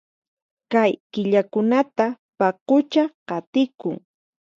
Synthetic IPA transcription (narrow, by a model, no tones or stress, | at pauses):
kajkɪʎakʊnat̪a | pɑqʊt͡ʃaqɑt̪ɪkʊŋ